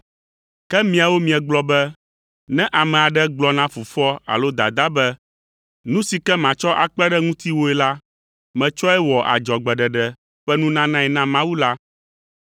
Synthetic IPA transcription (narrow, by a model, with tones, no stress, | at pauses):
kɛ˦mĩ˨a˨wo˦mĩ˨ɛ˨ɡ͡blɔ˦bɛ˦ | nɛ̃˦ʔa˨mɛ̃˨a˨ɖɛ˦ɡ͡blɔ˦nã˦fu˨fɔ˦a̰˨lo˦d̪a̰˨d̪a˦bɛ˦ | nũ˦si˨kɛ˦mã˨t͡ʃɔ˦ʔa˨k͡pɛ˦ɖɛ˦ŋũ˦t̪i˦wo˦ɛ˨˦la˦ | mɛ̃˨t͡ʃɔ˦ɛ˦wɔ˨ʔa̰˨d͡ʒɔ˨ɡ͡bɛ˨ɖɛ˨ɖɛ˨ | ɸɛ˦nũ˦nã˦nã˦ɛ˨nã˦mã˦wu˦la˦